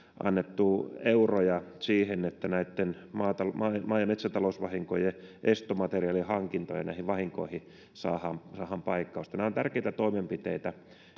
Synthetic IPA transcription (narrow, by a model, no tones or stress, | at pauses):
ʔɑ̰nːet̪ːueurojɑsiːhenːet̪ːænæit̪ːen | mɑːt̪ɑlmɑːmɑːjɑmet̪sænt̪ɑlousʋɑhiŋkojeʔest̪omɑt̪eriɑlihɑŋkint̪o̰jɑ̰næ̰ihiʋʋɑhiŋko̰ihi | sɑ̰ːhɑmsɑːhɑmpɑikːɑust̪ɑnæːont̪ærkeit̪æt̪oimempit̪eit̪æ